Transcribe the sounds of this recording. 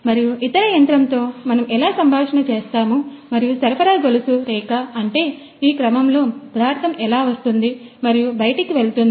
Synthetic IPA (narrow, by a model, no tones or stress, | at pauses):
mɐɾijuʔit̪ɐɾɐjɐnt̪ɾɐnt̪o̞ːmɐnɐmɛlaːsɐmbʱaːʂɐɳɐt͡ʃeːst̪aːmu | mɐɾijusɐɾɐpɐɾaːɡolusuɾɛːkaɐɳʈe̞ː | iːkɾɐmɐmlo̞ːpɐd̪aːɾt̪ɐmɛlaːʋɐst̪und̪imɐɾijubɐjɐʈikiʋe̞ɭut̪und̪i